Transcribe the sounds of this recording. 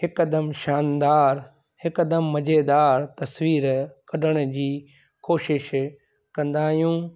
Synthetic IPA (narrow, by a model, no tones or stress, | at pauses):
hɪkəd̪əmʃaːnd̪aːɾ | hɪkəd̪əmːɐd͡ʑeːd̪aːɾt̪ɐswiːɾkɐɗəɽ̃̆d͡ʑiː | koːʃɪʃ | kɐ̃nd̪aːɦjũː